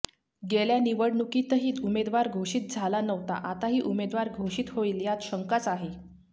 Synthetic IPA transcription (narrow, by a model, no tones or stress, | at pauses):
ɡeljaniʋəɽnukit̪əɦiːt̪umed̪ʋaɾɡʱoɕiːt̪̚d͡zʱalanəʋt̪a̰ʔat̪aɦiːʔumed̪ʋaɾɡʱoɕiːt̪ɦoiːljat̪ɕəŋkat͡saɦe